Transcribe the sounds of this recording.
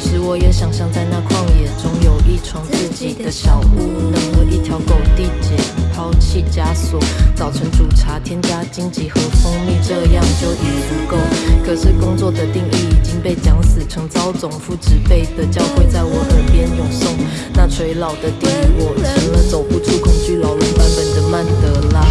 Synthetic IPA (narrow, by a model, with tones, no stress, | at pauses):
ʂɻ̩˧˥wɔ˨˥jɛ˨˥ɕjɑ˨˩ŋɕjɑ˥˧˩ŋt͡sa˥˧ɪna˥˧kʰwɑ˥˩ŋjɛ˨˩ʈ͡ʂʊ˥ŋjo˨˩ʊʔi˥˩ʈ͡ʂʰwɑ˧˥ŋt͡s̩˥˩t͡ɕi˨˩d̪̥ə˦ɕjɑ˨˩ʊtu˥˩˧nə˧˥ŋo˨˩ʔi˥˩t̪ʰjɑ˧˥ʊko˨˩ʊt̪i˥˩t͡ɕjɛ˨˩pʰɑ˥ʊt͡ɕʰi˥˩t͡ɕja˥swɔ˨˩˦t͡sɑ˨˩ʊʈ͡ʂʰɤ˧˥ŋʈ͡ʂu˨˩ʈ͡ʂʰa˧˥t̪ʰjɛ˥nt͡ɕja˥t͡ɕi˥ŋt͡ɕi˧˥xɤ˧˥fo˥ŋmi˥˧ʈ͡ʂɤ˥˧jɑ˥˧ŋt͡ɕjo˥˩ʊi˨˩ɻu˧˥ko˥˩ʊkʰɤ˨˩ʂɻ̩˥˩kʊ˥ŋt͡swɔ˥˩d̪ə˩t̪i˥˧ŋi˥˩i˨˩t͡ɕi˥ŋpe˥˩ɪt͡ɕjɑ˥ŋsɹ̩˨˩ʈ͡ʂʰɤ˧˥ŋt͡sɑ˥ʊt͡sʊ˨˩ŋfu˥˩ʈ͡ʂɻ̩˧˥pe˥˩ɪd̪ə˩t͡ɕjɑ˥ʊxwe˥˧ɪt͡sa˥˩ɪwɔ˨˩xə˨˦npjɛ˧˥njo˧˥ŋsʊ˥˧ŋ | na˥˩t͡sʰwe˧˥ɪlɑ˨˩ʊd̪ə˨t̪i˥˧ŋi˥˩wɔ˨˩ə˥˩nə˧˦t͡so˨˩ʊpu˨˩ʈ͡ʂʰu˥˩kʰʊ˥ŋt͡ɕy˥˩la˨˥ʊlə˧˥ŋpa˥˧npə˨˩nd̪ə˨˦ma˥˩nt̪ə˨˦lə˦